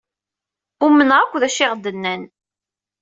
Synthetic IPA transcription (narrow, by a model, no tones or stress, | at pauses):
ʊmənʁakʷːðæʃɪʁd̪ənːæn